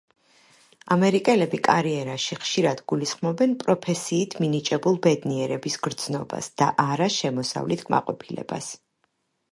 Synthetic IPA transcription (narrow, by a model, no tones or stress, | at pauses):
amɛɾikʼɛlɛbikʼaɾiɛɾaʃiχʃiɾad̪ɡulisχmɔbɛnpʼɾɔpʰɛsiːt̪ʰminit͡ʃʼɛbulˠbɛd̪niɛɾɛbisɡɾd̪z̥nɔba̰sd̪̥a̰ʔaɾaʃɛmɔsa̰vlit̪ʰkʼma̰qʼɔpʰilɛ̰ba̰s